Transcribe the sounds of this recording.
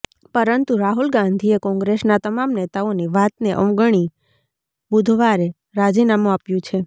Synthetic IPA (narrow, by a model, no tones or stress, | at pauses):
pəɾənt̪uɾaɦulɡãnd̪ʱiekɔ̃ŋɡɾesnat̪əmamnet̪aoniʋat̪̚neʔəmɡəɳ̃i | bud̪ʱʋaɾe | ɾad͡ʒinamũapjũt͡ʃʰe